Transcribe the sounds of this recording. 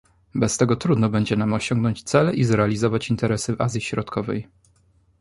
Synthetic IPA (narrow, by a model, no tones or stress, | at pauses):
bɛst̪ɛɡɔt̪ɾud̪nɔbɛɲd͡ʑɛnamɔɕɔŋɡnɔɲt͡ɕt̪sɛlɛʔizɾɛalʲizɔvat͡ɕint̪ɛɾɛsɘva̰zʲjiɕɾɔt̪kʰɔvɛ̰j